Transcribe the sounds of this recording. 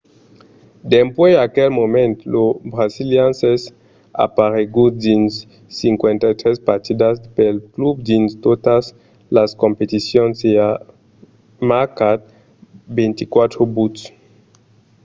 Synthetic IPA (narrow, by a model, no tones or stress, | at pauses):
d̪empweakelmomẽnt̪lobɾaziljanses | a̰paɾeɡud̪insː | iŋkwent̪at̪ɾespaɾt̪id̪aspelklubd̪inst̪ot̪as | laskompet̪isjonsea | makat̪̚ | bent̪ikwat̪ɾobut̪s